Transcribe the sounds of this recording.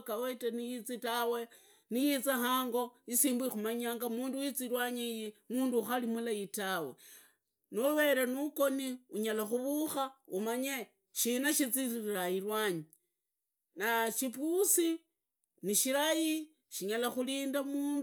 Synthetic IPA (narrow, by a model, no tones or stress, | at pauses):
kawetenijit͡sitawe | nijit͡sahaːŋɡo̞isiːmbwixumaɲaːŋɡamuːndujit͡siɾwaɲejimuːnduːxalimulajitawe̞̰ | nuwe̞ɾanuko̞niuɲalaxuβuxaumaɲe | ʃinaʃit͡siɾiɾajirwaɲi | naʃipusi | niʃiɾaji | ʃiɲalaxuliːndamuːn